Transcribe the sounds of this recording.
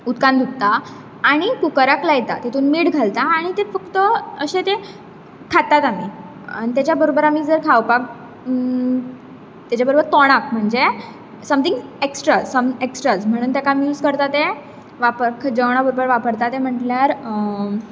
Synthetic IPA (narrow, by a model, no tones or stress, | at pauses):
ut̪kãnd̪ʱuk̚t̪aː | ɽ̃ikukəɾaklajt̪a̰t̪et̪uːnmiːɽɡʱalt̪aːɽ̃it̪efəkt̪əəɕet̪e | kʰat̪ːat̪ami | a̰nit̪̬jat͡ɕjabəɾobəɾamiːd͡zəɾkʰawpak̚ | t̪jat͡ɕabəɾobəɾt̪ɔɽ̃ak̚m̤əɳd͡ze | səmt̪iŋɡeksʈɾasəmeksʈɾad͡zm̤əɽ̃uːnt̪jakamjuːd͡zkəɾt̪at̪e | ʋapəɾkʰd͡ʑəʋɳ̃abəɾobəɾʋapəɾt̪at̪em̤əʈljaɾ